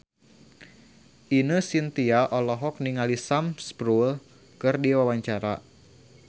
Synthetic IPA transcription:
ʔinəsint̪iaʔɔlɔɦɔk̚niŋalisamspɾul | kɨrdiwawaɲt͡ʃaɾa̰

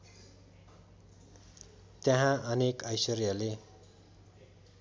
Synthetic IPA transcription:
t̪jaɦãʌnekʌjsʌrjʌle

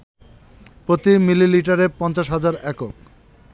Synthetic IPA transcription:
pɾot̪imililiʈaɾepɔnt͡ɕaʃɦad͡ʑaɾɛkok̚

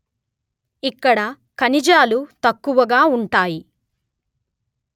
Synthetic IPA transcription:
ikːɐɽɐ | kɐnid͡ʒaːlut̪ɐkːuʋɐɡaːuɳʈaːji

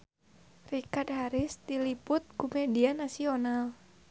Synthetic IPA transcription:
rikad̚haɾɪst̪ilipʊt̪̚kumedianasional

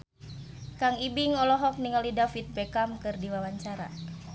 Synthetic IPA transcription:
kaŋibiŋɔlɔɦɔk̚niŋalidafit̪̚pɛkamkɨrdiwawaɲt͡ʃaɾa̰

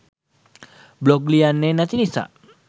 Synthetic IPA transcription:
blɔklianːenat̪inisa̰

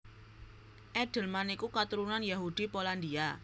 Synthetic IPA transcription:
ʔɛɖ̥ə̤lmanikukat̪uɾunanjaɦud̪̥ipoland̪ia

